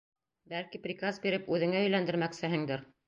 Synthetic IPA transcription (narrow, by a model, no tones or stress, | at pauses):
bælkiprʲikazbiɾɘpʉðɘ̆ŋæɵ̆jlænd̪ɘ̆ɾmæksɘ̆ɦɘ̆ŋd̪ɘɾ